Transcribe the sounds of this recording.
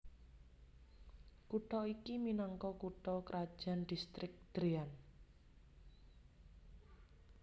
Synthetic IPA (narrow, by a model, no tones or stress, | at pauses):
kuʈɔikiminɔŋkɔkuʈɔkəɾʔad̥ʒ̥a̤nɖ̥ist̪ɾɪk̚d̪̥ɾian